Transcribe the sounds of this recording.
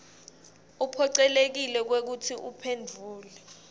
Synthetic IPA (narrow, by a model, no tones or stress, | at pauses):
upʰɔǀɛlek̬ilɛk̬wek̬utʰiʔupʰendʱuːlɛ